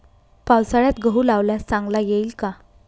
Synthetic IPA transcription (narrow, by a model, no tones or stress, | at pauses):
pawsaɭjat̪ɡʱəɦulaʋlat͡sãŋɡlajeiːlka